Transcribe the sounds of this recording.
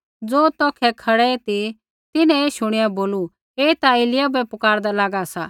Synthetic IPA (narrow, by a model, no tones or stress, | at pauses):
d͡zoːt̪ɔːkʰɛkʰɐɽɛɛt̪i | t̪ɪnɛ̃eːʃʊɽ̃ɪjaboːlu | eːit̪aelɪjabɛpʊkaːɾd̪alaːɡasaː